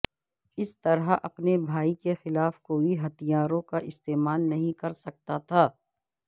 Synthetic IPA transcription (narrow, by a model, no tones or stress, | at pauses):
ɪst̪ɐɾəʔɐpnebʱaːikexɪlaːfkoːiɦɐt̪ijaːɾõkaʔɪst̪eːmaːlnɐɦĩkɐɾsɐk̚t̪at̪ʰaː